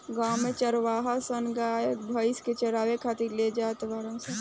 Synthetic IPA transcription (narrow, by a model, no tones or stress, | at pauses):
ɡaːmẽt͡ʃəɾʋaːɦasənɡaːebʱəɪsket͡ʃɐɾaːʋekʰaːt̪iɾled͡ʒaːt̪ʋaɾə̃nse